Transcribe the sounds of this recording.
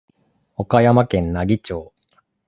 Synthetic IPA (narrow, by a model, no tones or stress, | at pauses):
o̞kajamakẽ̞nnaɡʲit͡ɕoː